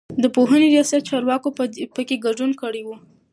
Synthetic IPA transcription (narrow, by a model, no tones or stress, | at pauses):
d̪əpoɦəneɾijɑsat̪̚t͡ʃɑɾwɑkopəkeɡaɖunkəɽewu